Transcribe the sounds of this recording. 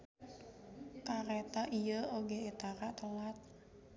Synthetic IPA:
kaɾɛt̪aʔijəoɡeet̪aɾaʔt̪əlat̪̚

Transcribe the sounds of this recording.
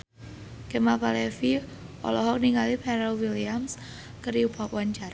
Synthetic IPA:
kɛmapalɛfiɔ̰lɔɦɔk̚niŋɡalipʰɛɾalwiliams | kəɾjupapwaɲt͡ʃar

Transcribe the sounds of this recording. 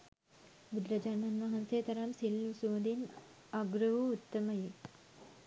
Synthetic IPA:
bud̪ɾɐd͡ʒɐɾmɐnʋɐɦɐnseːt̪ɐɾamsilːusuːd̪in | ɐɡɾɐʋuut̪ːɐmɐji

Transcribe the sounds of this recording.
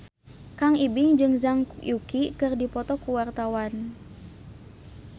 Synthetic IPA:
kaŋibɪŋd͡ʒɨŋzaŋjukikɨrdipɔt̪ɔkuwart̪awan

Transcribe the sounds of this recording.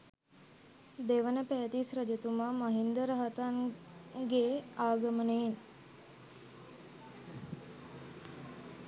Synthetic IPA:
d̪eʋənəpæːt̪isɾəd͡ʒet̪umamaɦind̪əɾəɦat̪anɡeaːɡəmənein

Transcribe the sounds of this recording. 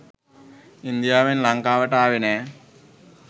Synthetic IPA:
ind̪jaːʋinlɐŋkaːʋɐʈːaːʋine

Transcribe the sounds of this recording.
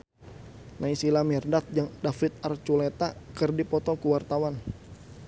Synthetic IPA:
naisilamɛrdat̪̚d͡ʒaŋdafit̪̚art͡ʃulet̪akərdipɔt̪ɔkuwart̪awan

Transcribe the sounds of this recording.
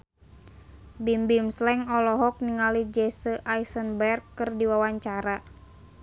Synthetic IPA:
bimbimslɛŋɔlɔɦɔk̚niŋalid͡ʒɛsəʔaisənbɛrɡɨrdiwawaɲt͡ʃaɾa

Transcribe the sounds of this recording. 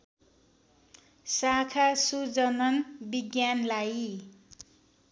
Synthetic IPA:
sakʰasud͡zʌnʌnbiɡjanlaj

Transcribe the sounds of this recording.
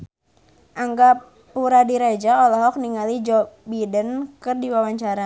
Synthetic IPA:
ʔaŋɡa | puɾadiɾad͡ʒaɔlɔɦɔk̚niŋalid͡ʒɔbidənkərdiwawaɲt͡ʃaɾa

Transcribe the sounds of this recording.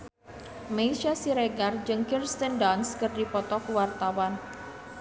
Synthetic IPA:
meiʃasiɾeɡard͡ʒɨŋkirst̪əndanskɨrdipɔt̪ɔkuwart̪awan

